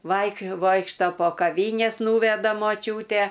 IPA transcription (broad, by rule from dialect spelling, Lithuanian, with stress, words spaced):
ˈʋɐɪk ˈʋoːɪkʃtɐ poː kɐˈʋʲiːnʲɛs ˈnuːʋʲɛdɐ moːˈt͡ʃʲuːtʲɛ